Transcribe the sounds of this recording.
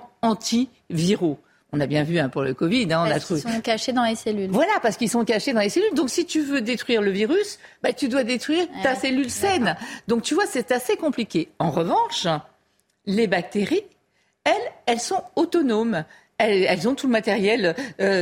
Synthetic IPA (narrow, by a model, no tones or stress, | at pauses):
ɑ̃t̪ʰi | viʁo | ɔ̃nabjɛ̃vyɛ̃puʁləkɔvid̪ɛ̃ɔ̃nat̪ovẽkaʃed̪ɑ̃leselylvwalapaʁsə̥kilsɔ̃kaʃed̪ɑ̃leselyld̪ɔ̃ksit̪yvød̪et̪χɥiʁləviʁysbat̪yd̪wad̪et̪χɥiʁtt̪aselylsɛnd̪ɔ̃k̚t̪yvwasɛt̪asekɔ̃plikʲeɑ̃ʁəvɑ̃ʃ | lebak̚t̪eʁi | ɛlɛlsɔ̃ot̪ɔnom | ɛlɛlzɔ̃t̪uləmat̪ɛʁjɛløø